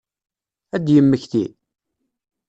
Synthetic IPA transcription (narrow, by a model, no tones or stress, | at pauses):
æd̪jəmːəçθi